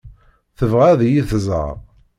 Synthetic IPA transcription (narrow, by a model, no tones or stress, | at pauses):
θəvʁæðjiθəzˤə̰ɾˤ